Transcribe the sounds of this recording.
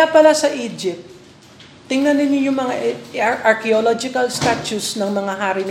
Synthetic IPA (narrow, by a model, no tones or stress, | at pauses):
apɐlasɐʔiːd͡ʒɪp̚t̪ | t̪ːɪŋnɐnɪnɪɲːʊŋmɐŋaʔɐɹkɛolod͡ʒɪkɐlst̪at͡ʃusnɐŋmɐŋaɦaɾɪm